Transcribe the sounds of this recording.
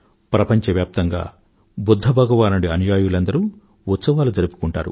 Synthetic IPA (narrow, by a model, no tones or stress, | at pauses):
pɾɐpɐɲt͡ʃɐʋjaːp̚t̪ɐŋɡa̰ː | bud̪ʱːɐbʱɐɡɐʋaːnuɽiɐnjaːjulɐnd̪ɐɾuː | ut̪sɐʋaːlud͡ʒɐɾipu̥kuɳʈa̰ːɾṵ